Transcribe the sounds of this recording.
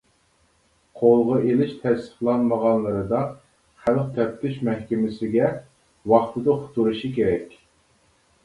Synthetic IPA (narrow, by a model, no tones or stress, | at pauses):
qʰolˠʁɑelɪʃt̪ʰɛsɪ̥χlˠɑnməʁɑnlˠɨɾɨd̪ɑ | χælq̚t̪ʰɛp̚t̪ʰɪʃmɛhkʲɪmɪsɪɡʲɛ | wɑχt̪ʰɨd̪ɨχʊ̥t̪uɾuʃikʲeɾɛkʲ